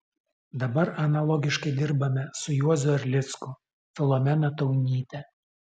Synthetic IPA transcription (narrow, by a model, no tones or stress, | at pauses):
d̪ɐbɐɾɐnɐlˠɔɡʲɪʃkɐɪd̪ʲɪɾbɐmʲɛsʊjuɔzʲʊɐɾʲlʲɪt̪skʊ | fʲɛlˠɔmʲɛnɐt̪ɐʊnʲiːt̪ʲɛ